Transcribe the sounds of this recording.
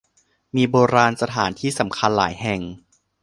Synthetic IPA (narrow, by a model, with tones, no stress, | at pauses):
miː˧boː˧ɾaː˧nsa˧t̪ʰaː˩˦nt̪ʰiː˥˩sa˩˦mkʰa˧nla̰ː˩˦jɦɛ˨˩ŋ